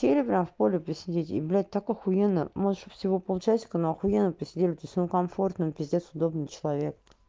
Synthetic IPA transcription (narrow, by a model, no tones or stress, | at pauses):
sʲelʲɪpɾʲamfpolʲɪpɾʲɪsʲɪdʲetʲḭblʲæt̪̚ʲt̪akɐxʊjenə̰moʂt̪opfsʲɪvopəlˠʊt͡ɕæsʲɪ̥kənoɐxʊjenəpɾʲɪsʲɪdʲelʲɪt̪osʲmkɐmfo̞rt̪nəmpʲɪzʲdʲet̪sʊd̪obnɨt͡ɕɪlˠɐvʲek̚